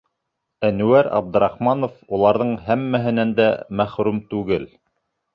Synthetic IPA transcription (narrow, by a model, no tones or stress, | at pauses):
ænʉwæɾɑ̰b̚d̪ɤ̆ɾɑχmɑnofulˠɑɾðɤɴhæmːæɦɘ̆nænd̪æmæχɾʉmt̪ʉɡɘl